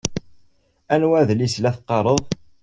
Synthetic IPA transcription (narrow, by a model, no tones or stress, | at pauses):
ænwæðlislæθqːɑɾˤəðˤ